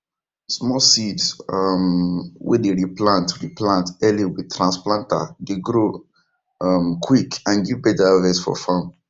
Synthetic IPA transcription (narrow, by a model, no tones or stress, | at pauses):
smɔsidsʌmwɛ̰deɹiplãntɹiplãntɛliwid̚tʰɹãnsplãnta̰deɡɹo | ʌmkʰwikãnɡivbɛtaavɛsfɔ̰fãm